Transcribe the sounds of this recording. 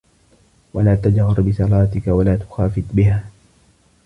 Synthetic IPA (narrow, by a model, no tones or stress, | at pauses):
walaːt̪ad͡ʒɣɑɾbɪsɑlaːt̪ɪkawalaːt̪ʊ̥xaːfɪt̪bɪɦaː